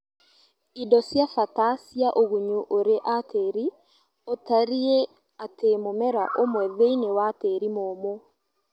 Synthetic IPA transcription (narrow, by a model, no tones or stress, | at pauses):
idɔsjafatasiaʔoɣuɲuʔoɾeʔatʰeɾi | otaɾie | atemomɛɾa̰ʔomwɛðeinewateɾimoːmo